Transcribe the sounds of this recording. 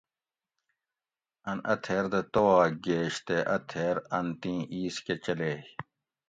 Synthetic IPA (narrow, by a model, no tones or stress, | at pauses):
ɐnɐ̰t̪ʰeːɾd̪et̪owaːɡeːɕt̪eʔɐt̪ʰeːɾɐnt̪ĩːʔiːsket͡ɕɐleː